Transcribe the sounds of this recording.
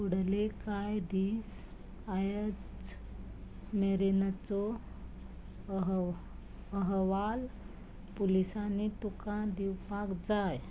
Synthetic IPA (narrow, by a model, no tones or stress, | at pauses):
uɽlekajd̪iːs | ajət͡s | meɾent͡sɔ | ɦ | əɦʋal | pulisanit̪ukãd̪iwpakd͡zaj